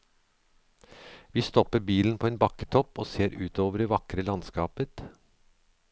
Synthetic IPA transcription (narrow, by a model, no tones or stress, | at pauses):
ʋiːst̪ɔpəɾbiːln̩pʰoːeːnbɑkə̥t̪ʰɔpoːseːɾʉːt̪oːʋəɾɖeːʋɑkɾəlɑnskɑːpət̪